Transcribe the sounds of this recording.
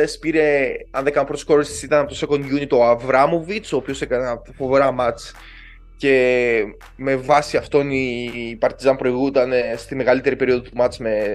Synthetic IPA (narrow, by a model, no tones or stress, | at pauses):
espiɾe̞ɐnðekɐnpɾot̪skoɾisi̥sit̪ɐnɐpot̪oseko̞nʝunit̪o̞ɐvɾɐmo̞vit͡soːpio̞sekɐnɐfo̞veɾɐmɐt͡s | ce̞ | me̞vɐsiɐft̪o̞nipɐɾt̪izɐmpɾo̞iɣut̪ɐnst̪imeɣɐlit̪e̞ɾipe̞ɾio̞ðot̪umɐt͡sme̞